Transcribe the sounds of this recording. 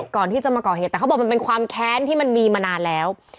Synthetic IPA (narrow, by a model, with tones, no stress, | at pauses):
kɔː˨˩nt̪ʰiː˥˩t͡ɕa˨˩maː˧kɔː˨˩heː˨˩t̪̚ːɛː˨˩˦bɔ˨˩ma˧pe˧nkʰwaː˧mkʰɛː˦˥nt̪ʰiː˥˩ma˧nmiː˧maː˧naː˧nlɛː˦˥w